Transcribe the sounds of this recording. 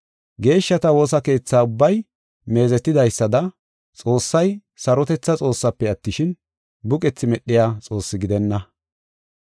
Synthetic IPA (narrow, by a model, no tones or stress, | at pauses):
ɡe̞ːʃːɐt̪ɐwo̞ːsɐke̞ːt͡sːaːʊbːɐj | me̞ːzɛt̪ːɪd̪ɐjsːɐd̪ɐ | t͡sʼo̞ːsːɐj | sɐɾɔt̪ɛt͡sːɐt͡sʼo̞ːsːɐpːɛɐt̪ːɪʃɪn | bʊkʼɛt͡sːɪmɛɗɪjaːt͡sʼo̞ːsːɪɡɪd̪ɛnːɐ